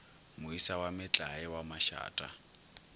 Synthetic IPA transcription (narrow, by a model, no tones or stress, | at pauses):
mʊisawamɪt͡ɬʼaɛwamaʃa̰ːtʼa̰